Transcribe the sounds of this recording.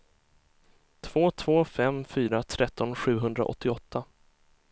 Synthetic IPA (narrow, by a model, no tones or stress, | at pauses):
t̪ʰv̥oːt̪ʰv̥oːfɛmfyːɾat̪ʰɾʔɛt̪ːɔnɧʉ̟ːɦɵnd̪ɾa̰ʔɔ̰t̪ːɪɔt̪ʰːa